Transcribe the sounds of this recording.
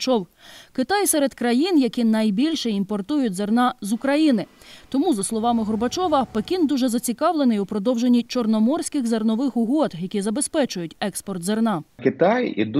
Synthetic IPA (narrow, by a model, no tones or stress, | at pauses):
t͡ʃɔwkɪt̪ɑjsɛɾed̪kɾɐjinjɐkʲinɐjbʲilʲʃɛimpɔrt̪ujʊtʲzernɑzʊkɾɐjinɪ | t̪ɔmuzɐslˠɔʋɑmɪɦɔrbɐt͡ʃɔʋɐpekʲind̪uʒɛzɐt͡sʲikɑʋlˠenɪjʊpɾɔd̪ɔwʒenʲːit͡ʃɔrnɔmɔrsʲkɪɣzernɔʋɪxʊɦɔd̪jɐkʲizɐbe̞spɛt͡ʃʊjʊtʲɛkspɔrt̪zernɑkɪt̪ɑjḭd̪